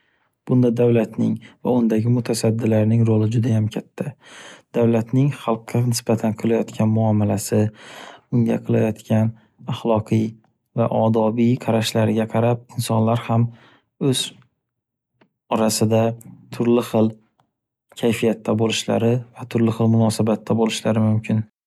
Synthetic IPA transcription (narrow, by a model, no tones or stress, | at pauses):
b̥ʊnd̪ad̪awlat̪nɪŋva̰ʊnd̪aɡʲɪmʊt̪ʰasad̪ːɪlaɾnɪŋɾolɪd͡ʒʊd̪ajamkʲʰat̪ʰːad̪̥awlat̪nɪŋχɑlˠqːɑnɪsbat̪ʰanqʰɨlˠajɒt̪kʲʰanmʊɒmalasɪ | ʊŋɡʲa̰qʰɨlˠajɒt̪kʲʰan | aχlˠɒqʰɨj | vaʔɒd̪ɒbijqʰɑɾaʃlaɾɪɡʲaqʰɑɾap̚ɪnsɒnlaɾham | ɵz̥ | ɒɾasɪd̪at̪ʰʊɾlɪχɨlˠ | kʲʰajfijat̪ʰːabolɪʃla̰ɾɪvat̪ʰʊɾlɪχɨlˠmʊnɒsabat̪ʰːabolɪʃlaɾɪmʊmkʲʰɪn